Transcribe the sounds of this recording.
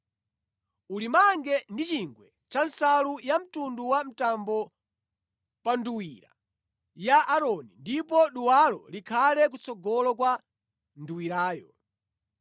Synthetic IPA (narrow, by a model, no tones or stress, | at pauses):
ulimaŋɡɛndit͡ʃiŋɡwɛ | t͡ʃansalujam̩tunduwam̩tambɔ | panduwiɾa̰ | jaʔːɾɔnindipɔɗuwalɔlikʰalɛk̬ut͡sɔɡɔlɔkwa | nduwiɾaːjɔ